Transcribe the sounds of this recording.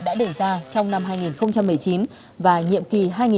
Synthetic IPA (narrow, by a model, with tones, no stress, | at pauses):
ɗa̰ː˧˥ɗe˧˩zaː˧t͡ɕɔ˧wŋ͡mna˧mhaː˧jŋi˨˩nxə˧wŋ͡mt͡ɕa˧mːɨ˨˩əjt͡ɕi˨˦n | vaː˨˩ɲḭ˧˨əmki˨˩ɦaː˧jŋi˨